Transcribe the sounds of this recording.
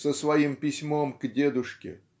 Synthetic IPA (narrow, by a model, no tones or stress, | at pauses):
səsvɐimpʲɪsʲmomɡdʲed̪ʊʂkʲɪ̰